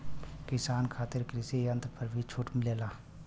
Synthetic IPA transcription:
kɪsaːnkʰaːt̪ɪɾkɾɪseɐ̃nt̪ɾpɐɾbʱit͡ʃʰuːʈmɪleːlaː

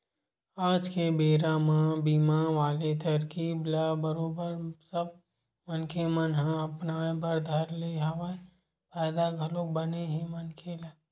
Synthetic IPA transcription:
aːd͡ʒkebeːɾamãbiːmaʋaːlet̪ɐɾkiːblabəɾoːbəɾsəb̚ | mənkemənɦãɐpnaːebəɾd̪ʱəɾleɦɐʋae | paːɪd̪aɡʱəloːk̚bəneɦɛ̃mənkʰelaː

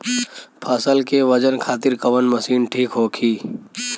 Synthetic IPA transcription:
pʰaːsəlkeʋəd͡ʒənkʰaːt̪ɪɾkəʋənməsiːnʈʰiːkɦoːkʰiː

